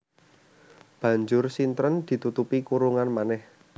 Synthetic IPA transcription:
b̥ä̤ɲd͡ʒʊrsint̪ɾənd̪̥i̤t̪ut̪upikuɾuŋanmanɛh

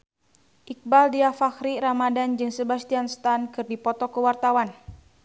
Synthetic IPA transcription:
ʔik̚baldiafaxɾiɾamadand͡ʒɨŋsəbast̪ianst̪ankɨrdipɔt̪ɔkəwart̪awan

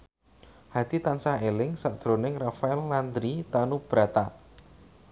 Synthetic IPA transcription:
had̪̥it̪ansaelɪŋsaʔd̥ʒ̥ɾonɪŋrafaɛlːand̪ɾit̪anub̥ɾat̪a

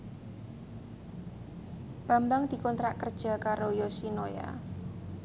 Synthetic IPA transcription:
b̥a̤mbaŋd̪̥i̤kɔnt̪ɾaʔkərd̥ʒ̥a̤kaɾojosinoja̰

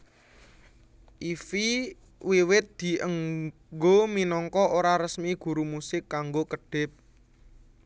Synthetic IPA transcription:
ʔifi | wiwɪt̪̚d̪̥i̤ʔəŋ | ɡominɔŋkɔʔoɾaɾəsmiɡ̥ṳɾumusɪkːaŋɡokəɖ̥ɪ̤p̚

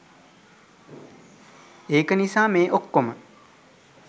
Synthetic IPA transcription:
eːkənisaːmeːʔokːomə

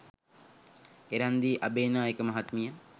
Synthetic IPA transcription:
eɾand̪iːʔabeːnaːekəmaɦat̪mijə

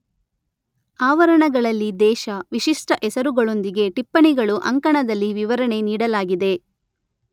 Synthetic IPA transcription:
aːʋɐɾɐɳɐɡɐɭɐlːid̪ɛːʃɐʋiʃiʂʈɐʔɛsɐɾuɡɐɭo̞nd̪iɡe̞ʈipːɐɳiɡɐɭuʔɐŋkɐɳɐd̪ɐlːiʋiʋɐɾɐɳe̞niːɽɐlaːɡid̪e̞

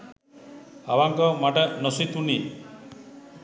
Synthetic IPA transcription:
abaŋkɔmaʈanɔsit̪uni

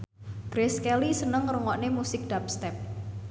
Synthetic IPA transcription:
ɡ̥ɾeskɛlisənəŋruŋɔʔnemusɪk̚d̥ap̚st̪ɛp̚

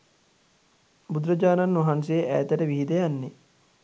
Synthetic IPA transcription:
bud̪ɾɐd͡ʒaːnanːʋɐɦans̬eːʔæːt̪əɾəʋiɦid̪əjanːe

